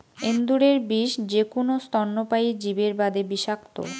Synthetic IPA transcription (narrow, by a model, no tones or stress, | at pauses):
end̪uɾeɾbiʃd͡ʑekonost̪ɔnːopaid͡ʑibeɾbad̪ebiʃak̚t̪o̰